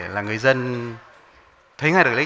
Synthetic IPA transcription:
laː˨˩ŋɨ˨˩əjzə˧n | t̪ʰə˨˦jŋaː˧jdɨ˨˩l

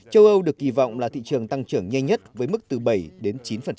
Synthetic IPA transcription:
t͡ɕə˧wʔə˧wɗɨ˨˩ək̚ʔi˧˩vɔ̰˧˨wŋ͡mlaː˨˩t̪ʰḭ˧˨t͡ɕɨ˨˩əŋt̪a˧ŋt͡ɕɨ˧˩əŋɲɛ˧jɲə˦˥t̚vəː˨˦jmɨ˦˥k̚t̪ɨ˨˩ɓə˧˩jɗe˨˦nt͡ɕi˨˦nfə˨˩n

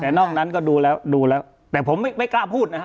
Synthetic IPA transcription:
t̪ɛː˨˩nɔː˥˩ŋ̚na˦˥nkɔː˥˩duː˧lɛː˦˥wduː˧lɛː˦˥w | t̪ɛː˨˩pʰo˩˦ma˥˩jma˥˩jklaː˧pʰuː˥˩t̪̚na˦˥

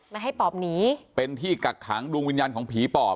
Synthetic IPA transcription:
ma˧˩ɦa˥˩jpɔː˨˩p̚niː˩˦pe˧nt̪ʰiː˥˩ka˨˩kʰːaː˩˦ŋduː˧ŋwi˧njaː˧nkʰɔː˩˦ŋpʰiː˨˩˦pɔː˨˩

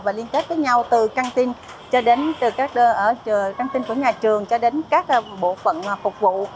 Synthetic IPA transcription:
vaː˨˩li˧ənk̪e˦˥t̚və˨˦jɲa˧wt̪ɨ˨˩ka˧ŋt̪i˧n | t͡ɕɔ˧ɗe˨˦nt̪ɨ˨˩kaː˦˥k̚ʔəː˧˩˨ka˧ŋt̪i˧nku˧˩əɲaː˨˩t͡ɕɨ˨˩əŋt͡ɕɔ˧ɗe˨˦nkaː˦˥k̚ɓo̰˧˨fə̰˧˨n˨˩fʊ˨˩k͡p̚vṵ˧˨

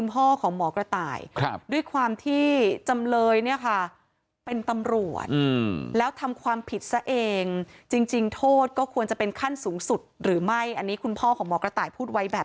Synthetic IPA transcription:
kʰu˧npʰɔː˥˩kʰɔː˩˦ŋmɔː˩˦kɾa˧t̪a̰ː˨˩j̚du˥˩əjkʰwaː˧mt̪ʰiː˥˩t͡ɕa˧mlɤː˧jni˥˩ɐkʰa˥˩ | pe˧nt̪a˧mɾu˨˩ət̪̚ːlɛː˦˥wt̪ʰa˧mkʰwaː˧mpʰi˨˩t̪̚sa˦˥ʔeː˧ŋt͡ɕi˧ŋt͡ɕi˧ŋt̪ʰoː˥˩t̪̚kɔː˥˩kʰu˧ənt͡ɕa˨˩pe˧nkʰa˥˩nsuː˩˦ŋsu˨˩t̪̚ɾɯː˩˦ma˥˩jʔa˧nːiː˦˥kʰu˧npʰɔː˥˩kʰɔː˩˦mɔː˩˦kɾa˧t̪aː˨˩jpʰuː˥˩t̪̚wa˦˥jbɛː˨˩

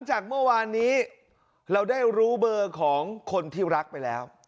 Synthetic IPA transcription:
la˨˦ŋt͡ɕaː˨˩k̚mɯ˥˩ɐwaː˧nːiː˦˥ | ɾa˧wdaː˥˩jɾuː˦˥bɤː˧kʰɔː˩˦ŋkʰo˧nt̪ʰiː˥˩ɾa˦˥k̚pa˧jlɛː˦˥w

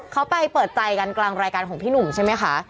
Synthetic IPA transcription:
kʰa˦˥wpa˧jpɤː˨˩t̪̚t͡ɕa˨˧jka˧nklaː˧ŋɾaː˧jkaː˧nkʰɔː˩˦ŋpʰiː˥˩nu˨˩mt͡ɕʰa˥˩jma˦˥jxʰa˦˥

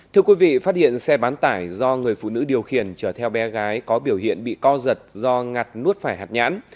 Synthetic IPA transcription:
t̪ʰɨ˧əkwi˨˦vḭ˧˨faː˦˥t̚hḭ˧˨ənsɛ˧ɓaː˨˦nt̪aː˧˩jzɔ˧ŋɨ˨˩əjfṵ˧˨nɨ̰˧˥ɗi˨˩əwxi˨˧˩ənt͡ɕəː˧˩t̪ʰɛ˧wɓɛ˨˦ɣaː˨˦jkɔ˨˦ɓi˧˩əwhḭ˧˨ənɓḭ˧˨kɔ˧zə˨˩t̚zɔ˧ŋa˨˩t̚nu˦˥ət̚faː˧˩jɦaː˨˩t̚ɲa̰ː˧˥n

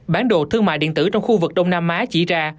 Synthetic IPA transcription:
ɓaː˨˦nɗo̰˧˨t̪ʰɨ˧əŋma̰ː˧˨jɗḭ˧˨nt̪ɨ˧˩t͡ɕɔ˧wŋ͡mxu˧vɨ˨˩k̚ɗə˧wŋ͡mnaː˧mʔaː˨˦t͡ɕḭ˧˩zaː˧

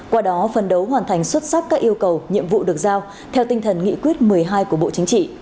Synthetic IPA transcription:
kwaː˧ɗɔ˨˦fə˨˩nɗə˨˦wɦwaː˨˩nt̪ʰa˨˩ŋ̟swə˦˥t̚sa˦˥k̚kːaː˦˥k̚ʔi˧əwkə˨˩wɲḭ˧˨əmvṵ˧˨ɗɨ˨˩ək̚zaː˧w | t̪ʰɛ˧wt̪i˧ŋ̟t̪ʰə˨˩nŋḭ˧˥kwi˦˥ət̚mɨ˨˩əjɦaː˧jku˧˩əɓo̰˧˨t͡ɕï˨˦ŋt͡ɕḭ˧˨

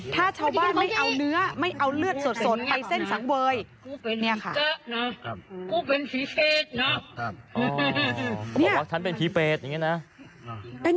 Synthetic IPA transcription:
t̪ʰaː˥˩t͡ɕʰaː˧wbaː˥˩nma˥˩jʔa˧wnɯ˦˥ɐma˥˩jʔa˧wlɯ˥˩ət̪̚so˨˩t̪̚so˨˩t̪̚pa˧jse˥˩nsa˩˦ŋwɤː˧j | ni˥˩ɐkʰa˥˩˧n˦˥kʰuː˥˩pe˧npʰiː˨˦pʰeː˧˩t̪̚nɔ˦˥ | ɔ˦˩nɔ˦˥bɔː˨˩k̚t͡ɕʰa˦˥npe˧npʰiː˨˦peː˨˩t̪̚ja˨˩ŋːi˦˥˩na˦˥˧

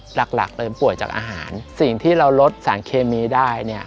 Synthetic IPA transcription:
la˨˩k̚la̰˨˩k̚lɤː˧pu˨˩əj̚t͡ɕaː˨˩k̚ʔa̰ː˧ɦa̰ː˩˦nsi˨˩ŋt̪ʰiː˥˩ɾa˧wlo˦˥t̪̚saː˩˦nkʰeː˧miː˧daː˥˩jni˥˩ɐ

